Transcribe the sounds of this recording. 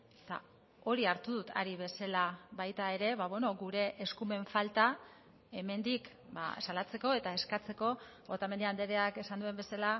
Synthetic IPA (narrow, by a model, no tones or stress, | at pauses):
t̪a̰ | o̞ɾiaɾt̪uðut̪ʰa̰ɾiβ̞e̞salaβajt̪ae̞ɾe̞βaβe̞no̞ɡuɾe̞ʔeskume̞ɱfalt̪a | e̞me̞nd̪ik | ba̰salat͡se̞ko̞e̞t̪ae̞skat͡se̞ko̞ | o̞t̪amend̪eand̪eɾeake̞sand̪ue̞mbe̞sala